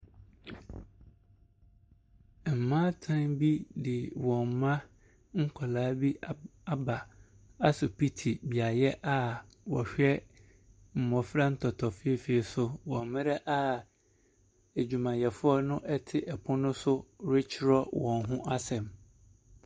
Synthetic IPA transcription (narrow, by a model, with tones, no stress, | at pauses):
m̩˨mã˦tʰã˦nbi˦dɪ˨wɔ̃˨m˨mã˦ | ŋ̩˦kʷʰa˨laː˦bi˦a˦ba˨ | a˦sʊ˨pʰi˦tʰi˨bi˨a˨jɛ˦ʔa˦wɔ˨ɕᶣɛ˦ | m̩˨mɔ̃˨fɾa˦n̩˦tʰɔ˨tʰɔ˨fɪ˦e˦fi˨e˨sʊ˦wɔ̃˨m˦mɪ̃˦ɾɛ˦ʔa˦ | e˨d͡ʑᶣu˨mã˨jɛ˨fʊ˦ɔ˦nʊ̃˦ʔɛ˦tʰɪ˦ʔɛ˨pʰʊ̃˦nʊ̃˦sʊ˦ɾɪ˦t͡ɕʰɪ˦ɾɔ˦wɔ̃˨n˦ɦʊ̃˦ʔa˦sɛ̃˨m